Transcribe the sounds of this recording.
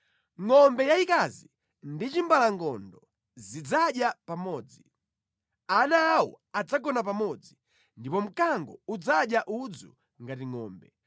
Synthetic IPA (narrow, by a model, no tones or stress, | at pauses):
ŋɔmbɛjaikazi | ndit͡ʃimbalaŋɡɔndɔ | zid͡zaɗjapamɔːd͡zi | anaːwɔ̰ad͡zaɡɔnap̬amɔd͡zi | ndipɔm̩kaŋɡɔud͡zaɗjaʔud͡zṵ | ŋɡatiŋɔ̰ːmbɛ